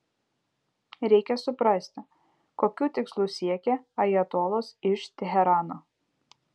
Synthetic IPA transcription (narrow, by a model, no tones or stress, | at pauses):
ɾʲɛɪkʲɛsʊpɾɑˑsʲt̪ʲɪ | koːkʲuːt̪ʲɪkslˠuːsʲiɛkʲɛɐjɛt̪oːlˠoːsɪʃt̪ʲɛɦʲɛɾɑːnoː